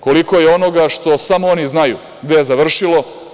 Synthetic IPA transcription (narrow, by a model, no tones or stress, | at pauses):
ko̞liko̞jeo̞no̞ɡaʃt̪o̞samooniznajṵ | ɡd̪ejezaʋr̩ʃilo̞